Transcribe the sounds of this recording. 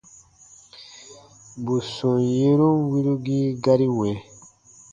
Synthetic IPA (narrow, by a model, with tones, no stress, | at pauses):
bu˨sɔ̃˨je˦ɾo˦wi˦ɾu˦ɡi˦ɡa˦ɾi˦wɛ̃˨